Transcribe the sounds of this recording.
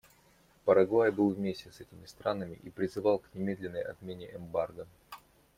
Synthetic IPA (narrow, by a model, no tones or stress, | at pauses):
pəɾɐɡˠajbɨlˠvmʲesʲtʲɪsɛtʲɪmʲɪst̪ɾanəmʲɪ̰ʔipɾʲɪzɨvɑlˠknʲɪmʲe̞d̪lʲɪnːəjɐ̰t̪mʲenʲɪʔɛmbarɡə